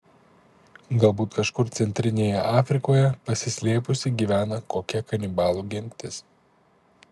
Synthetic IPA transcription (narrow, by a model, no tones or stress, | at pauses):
ɡɐlˠbuːt̪kɐʃkʊɾt̪sʲɛnʲt̪ʲɾʲɪnʲeːjɛʔɑːfʲɾʲɪkoːjɛpɐsʲɪsʲlʲeːpʊsʲɪɡʲiːʋʲæːnɐkoːkʲɛkɐnʲɪbɑːlˠuːɡʲɪŋʲkt̪ʲɪs